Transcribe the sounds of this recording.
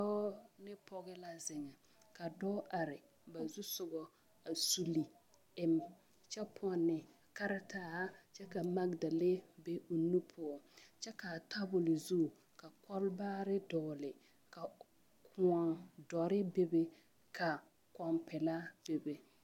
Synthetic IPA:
ɔ˦nɪ˦pʰɔ˦ɣɛ˦la˦zɪ˨ŋɛ˨ | ka˨dɔ˦ʔa˨ɾɪ˨ | ba˨zu˦sʊ˨ɡɔ˨ | a˨su˨li˨ | ɪ˦m | t͡ʃɛ˦pʰnːɪ˨ | ka˦ɾa˦taː˦t͡ʃɛ˦ka˨ma˦ɡda˨le˦be˦o˨nu˦pʰʊ˦ɔ˨t͡ʃɛ˦ka˨tʰa˦bʊ˨lɪ˨zu˦˨ | ka˨kɔ˦lbaː˦ɾɪ˦dɔː˨lɪ˨ | ka˨ | kʰʊ˨ɔ˨ŋdɔ˨ɾɪ˦be˦be˦ | kʰa˨ | kɔ˨mpɛ˨la˦b̥e˨be˨

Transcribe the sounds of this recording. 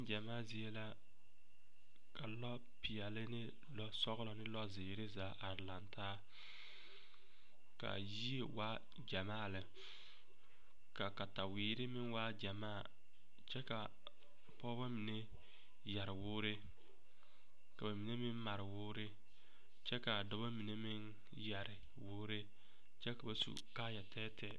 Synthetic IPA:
ɪ˦d͡ʒa˨maː˦˨zɪ˦e˦la˦ | ka˨lɔ˦ | pɪ˨jɛ˨lɪ˦nɪ˦ | lɔ˦sɔ˦ɣlɔ˨nɪ˦lɔ˦zɪː˨ɾɪ˦zaː˨˦ʔa˨ɾla˨ntaː˦ | ka̰˨ji˦e˨waː˦ | d͡ʒa˨maː˦˨lɪ˨ | ka˨ka˨ta˨wɪː˨ɾɪ˦mɪ˦nwaː˦d͡ʒa˨maː˦˨ | t͡ʃɛ˦ka˨ | pɔː˦ba˦mi˨ne˦ | ja˨ɾɪ˨wʊː˦ɾɪ˦ | ka˨ba˨mi˨ne˦mɪ˦nma˨ɾɪ˨wʊː˦ɾɪ˦ | t͡ʃɛ˦ka˨dɔ˦ba˦mi˨ne˦mɪ˦n | ja˨ɾɪ˨ | wʊː˦ɾɪ˦ | t͡ʃɛ˦ka˨ba˨sṵ˨kaː˦ja˨tʰɛː˦tʰɛ˦

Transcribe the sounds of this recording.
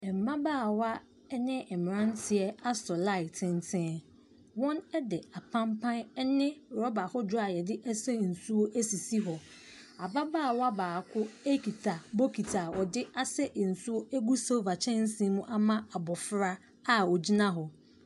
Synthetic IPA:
ɛ˨m̩˨bã˦baː˦˨wa˦ | ɛ˦nɪ̃˦ɛ˨mɪ̃˨ɾã˦n˦tʰɪ˨ɛ˦a˦sɔ˨la˦ɪ˨tʰɪ̃˦n˦tʰɪ̃˦ | wɔ̃˦nɛ˦dɪ˨a˨pʰã˦mpʰã˦nɛ˦nɪ̃˦ɾɔ˦ba˨hɔ˦dʊ˦a˨jɛ˨dɪ˦ʔɛ˦sɛ˦n̩˨su˦o˦ʔæ˦si˨si˦ɦɔ˨ | a˨ba˦baː˦˨wa˦baː˨kʰʊ˦e˦kʰi˨tʰa˨bo˦kʰi˨tʰa˨wɔ˨dɪ˦a˦sɛ˦ʔn̩˨su˦o˦ʔæ˦ɡu˦so˦va˨t͡ɕʰɛ̃˦n̩˦sĩ˦mũ˦ʔa˦mã˦a˨bɔ˨fɾa˦ | a˦ɔ˨d͡ʑi˦nã˦ɦɔ˨

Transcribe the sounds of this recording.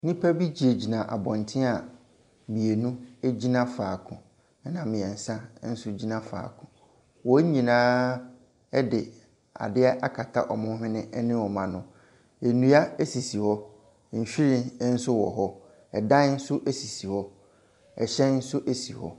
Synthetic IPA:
nĩ˦pʰæ˦bi˦d͡ʑi˨e˨d͡ʑi˨nã˨ʔa̰˨bɔ̃˨ntʰɪ̃˦a˨ | mĩ˨e˨nũ˦e˦d͡ʑi˦nã˦faː˨kʰʊ̃˨ | ɛ˦nã˨mmɪ̃˨ɛ̃˨n̩˨sã˦n̩˦sʊ˦d͡ʑi˦nã˦fa̰ː˨kʰʊ̃˨ | wɔ˨˦ɲĩ˨nãː˦ | ɛ˦dɪ˨ | a̰˨dɪ˦ɛ˦ʔa˦kʰa˨tʰa̰˦ʔɔ˨mʊ̃˦ɦɪ̃˦nɪ̃˦ɛ˦nɪ̃˦wɔ˨mã˨nʊ̃˨ | e˨nũ˦a˦e˦si˨si˨hɔ˦˨ | m̩˨fi˦ɾĩ˦n̩˦sʊ˦wɔ̰˨ɦɔ˦ | ɛ˨dã˦n̩˦sʊ˦ʔe˦si˨si˨hɔ˦ | ɛ̰˨ɕɛ˦n̩˦sʊ˦ʔe˦si˨hɔ̰˦

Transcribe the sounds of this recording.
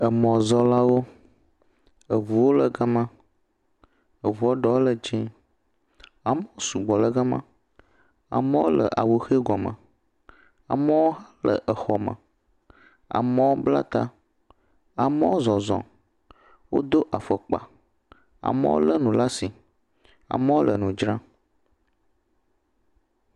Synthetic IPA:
ə˨mɔ̃˨zɔ˦la˦wo˦ | ə˨vu˨wo˦lə˨ɡa˦mã˦ | ə˨vu˨o˦ɖɔ˨wo˦lə˦d͡ʒĩ˦ | a˨mə̃˦wo˦su˨ɡ͡bɔ˨lə˦ɡa˦mã˦˨ | a̰˨mə̃˦wo˦lə̰˨ʔa̰˨wo˨xe˦ɡɔ˨mə̰̃˨ | a̰˨mə̃˦wo˦ɦa˦lə̰˨ʔə˨xɔ˨mə̰̃˨ | a̰˨mə̃˦wo˦bla̰˦t̪a˦ | a˨mə̃˦wo˦zɔ˨zɔ̰̃˨ | wʔo̰˦d̪o˦ʔa˨fə˨k͡pa̰˨ | a̰˨mə̰̃˦wo̰˦lə˦nũ˨la˦si˨ | a̰˨mə̃˦wo˦lʔə˨nũ˨d͡ʒɾã˦

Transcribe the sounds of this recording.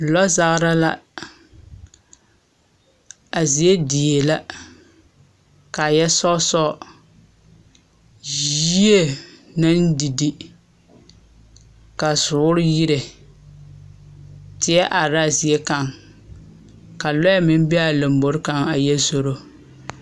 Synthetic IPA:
lɔ˦za˨ɣɾa˦la̰˦ | a˨zi˨e˦di˨e˨la˦ | ka˨jɛ˦sɔ˦sɔ˦˨ | jji˦e˦na˦ndi˨di˦ | ka˨sʊ˨˦ʊ˦ɾɪ˦ji˦ɾe˨ | tɪ˦jɛ˦ʔa˨ɾa˦zi˨e˦ka˦ŋ | ka˨lɔ˦jɛ˦mɪ˦m˦bɪ˦a˦lo˨m˦bo˨ɾɪ˦ka˦ŋa˨jɛ˦zo˦ɾo˦

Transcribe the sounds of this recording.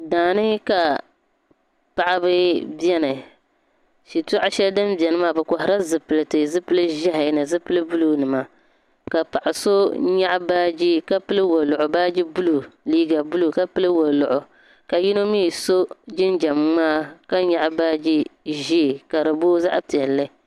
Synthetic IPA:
daː˨nɨ˦ka˨ | pa˨ʔa˦bɨ˦bɛ˦nɨ˨ | ʃi˨ta˦ʔa˦ʃɛ˦ldɨ˦mbjɛ˨nɨ˦maː˦˨bɛ˨kɔ˨ɦɪ˨ɾa˦zɨ˨pɨ˨lɨ˨tɨ˨zɨ˦pɨ˦lɨ˦ʒa˦ɦa˨˦nɨ˨zɨ˦pɨ˦lɨ˦bu˦lu˦nɨ˨ma˨ | ka˨pa˨ʔa˨so˦ɲa˦ʔbaː˦d͡ʒi˦ka˦pɨ˦lɨ˦wo˨lʊ˨ʔʊ˨baː˦d͡ʒi˦bu˦lu˨liː˦ɡa˨bu˦lu˨ka˦pɨ˦lɨ˦wo˨lʊ˨ʔʊ˨ | ka˨ji˦no˦miː˦˨so˦d͡ʒɪ˦nd͡ʒa˨m˦maː˦˨ka˦ɲa˨ʔbaː˦d͡ʒi˦ʒi˦˨ka˨ɾɨ˨boː˦za̰˦ʔpi˨ɛ˨lːɨ˦

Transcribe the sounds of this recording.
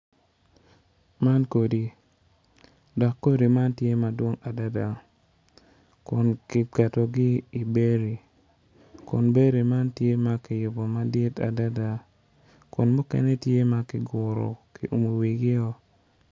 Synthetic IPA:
ma˦nko˨di˨ | dɔ˨kːo˦ɾi˨ma˦ntje˦ma˨dwo˦ŋa˨da˦da˨ | kʊ˨nkɪ˨ka˨to˨ɡɪ˦i˨be˦ɾe˨ | kʊ̰˨nbe˦ɾe˨ma˦ntje˦ma˦kɪ˨jʊ˨bɔ˨ma˦dɪ˦ta̰˨da˦da˨ | kʊ˨nmʊ˦kɛ̰˦nɛ˦tje˦ma˨kɪ˨ɡʊ˨ɾɔ̰˨kɪ̰˨ʔu˨mo˨wi˨ɡɪ˦ɔ˦

